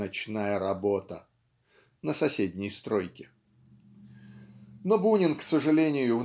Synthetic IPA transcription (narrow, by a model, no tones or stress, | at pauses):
ɐt͡ɕnajəɾɐbot̪ə | nəsɐsʲedʲnʲɪjst̪ɾo̞jkʲɪ̥ | nobunʲɪnksəʐɨlʲenʲɪjʊv